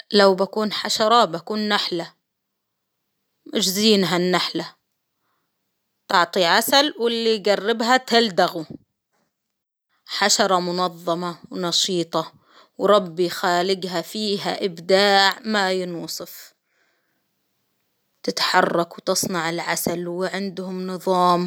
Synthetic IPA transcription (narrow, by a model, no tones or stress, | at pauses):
lawbakuːnħaʃɑɾˤɑbakuːnːaħla | mad͡ʒziːnɦanːaħla | t̪ɪʕt̪ˤiʕasalwɪlːijɡarːɪbɦat̪ald̪aɣu | ħaʃɑɾˤɑmʊnɑðˤːɑmɑwnɑʃiːt̪ˤɑ | wɾˤɑbːijxaːlɪɡɦafiːɦa̰ʔɪbd̪aːʕmajɪnuːsˤɨf | t̪ɪt̪ħɑ̰rˤːɑkwt̪ɨsˤnɑʕɪlʕasalwɪʕɪnd̪hʊmnɨðˤɑːm